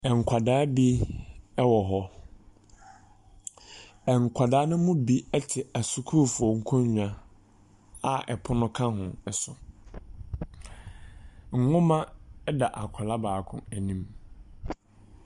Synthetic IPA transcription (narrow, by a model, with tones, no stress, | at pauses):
ɛ˨ŋ̩˨kʷʰa˨daː˦bi˦ɛ˦wɔ˨ɦɔ˦ | ɛ˨ŋ˨kʷʰa˨daː˦nʊ̃˦mʊ̃˦bi˦ɛ˦tʰɪ˨æ˨su˦kʰu˦˨fʊ˨ɔ˨ŋ̩˦kʰɔ̃˦ɲu˨ã˨ | a˨ʔɛ̰˨pʰʊ˦nʊ̃˦kʰã˦ɦʊ̃˨ɛ˨sʊ˨ | ŋ̩˨ŋʊ̃˦mã˦ɛ˦da˨ʔa˨kʷʰa˨la˦baː˨kʰʊ̰̃˦æ˨nĩ˦m